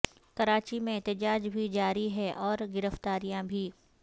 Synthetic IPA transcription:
kɐɾaːt͡ʃimẽɛɦt̪ɪd͡ʒaːd͡ʒbʱid͡ʒaːɾiɦɛʔɔːɾɡɪɾəft̪aːɾijãbʱiː

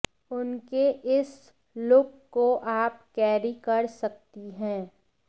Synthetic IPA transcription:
ʊnkeʔɪs | lʊkːoʔaːp̚kɛːɾikɐɾsɐk̚t̪iɦɛ̃ː

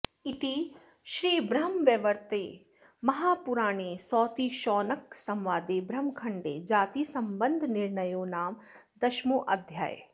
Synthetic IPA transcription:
ɪt̪i | ʃɾiːbɾɐɦmʋjɐʋəɾt̪eː | mɐɦaːpʊɾaːɽ̃esɔːt̪iʃɔːnɐksɐ̃mʋaːd̪ebɾɐmkʰɐɳɖḛːd͡ʒaːt̪isɐ̃mbə̃nd̪ʱnɪɾɳəjoːnaːm | d̪ɐʃmoːʔɐd̪ʱja̰ːj

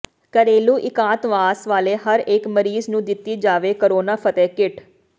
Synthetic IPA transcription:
kəɾeːluːʔɪkãːt̪ʋaːsʋaːleːɦəɾekməɾiːznũːd̪ɪt̪ːiːd͡ʒaːʋeːkəɾoːnaːpʰət̪ɛːkɪʈʰ

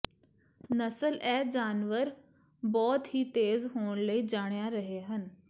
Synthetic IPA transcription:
nəsəlɛd͡ʑaːnʋəɾ | bɔːt̪hiːt̪eːzɦoːɳ̃ləid͡ʒaːɽ̃jaɾəɦeɦən

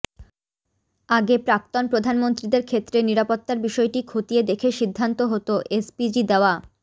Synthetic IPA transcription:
aɡepɾak̚t̪onpɾod̪ʱanmont̪ɾid̪eɾkʰet̪ːɾeniɾapot̪ːaɾbiʃɔeʈikʰot̪ied̪ekʰeʃid̪ʱːant̪oɦot̪oʔespid͡ʑid̪eoa

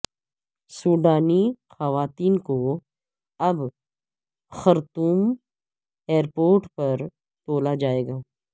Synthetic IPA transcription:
suːɖaːnixɐʋaːt̪iːnko | ɐb | xɐɾt̪uːm | eːɾpoːɾʈpɐɾ | t̪oːlad͡ʒaːeːɡaː

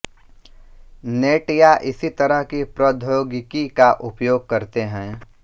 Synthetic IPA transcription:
neːʈjaʔɪsit̪ɐɾəɦkipɾoːd̪ʱjoːɡɪkikaʔʊpjoːɡ̚kɐɾt̪eɦɛ̃ː

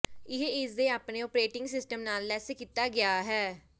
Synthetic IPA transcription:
ɪɦeːɪsd̪eːaːpneːopɾeːʈɪ̃ŋɡsɪsʈəmnaːlːɛːseːkiːt̪aːɡɪaːɦɛː

